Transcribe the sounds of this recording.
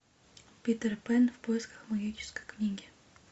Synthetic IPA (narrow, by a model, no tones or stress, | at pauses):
pʲit̪ərpɛnfpojɪskə̥xmɐɡʲit͡ʃɪ̥skə̥jknʲiɡʲɪ